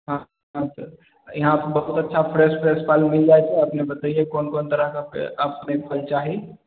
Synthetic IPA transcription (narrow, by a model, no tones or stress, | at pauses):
ɦã | ɦãsəɾ | iɦãpəɾbɐɦut̪ətːʃʰapʰɾespʰɾespʰaɪlmɪld͡ʒaet͡ʃʰɛɐpnebət̪əiɦekoːnkoːnt̪əɾəɦkaḛəpnepəlt͡ʃaːɦi